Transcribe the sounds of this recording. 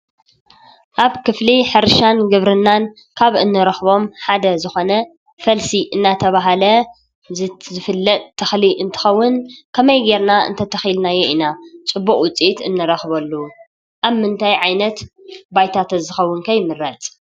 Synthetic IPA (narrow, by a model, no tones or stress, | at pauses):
ʔaβkɨfliħɨɾʃanɡɨβɾɨnːan | kʰaβɨnːɨɾɐxβo̞mħad̪ɐzɨxo̞nɐ | fɐlsiʔɨnːat̪ʰɐβaɦalɐ | zzɨfɨlːɐt̪ʼt̪ʰːɐxliʔɨnt̪ʰɨ̥xɐwːʊnkʰɐmɐjɡeɾnaɨ̰nt̪ʰɐt̪ʰɐxilnajeʔinat͡sʼɨbːukʼwʊt͡sʼit̪ɨnːɨɾɐxbɐlːu | ʔaβmɨnt̪ʰajʕajnɐt̪bajt̪ʰat̪ʰɐzɨxɐwːʊnkʰɐjmɨɾːɐt͡s̪ʼ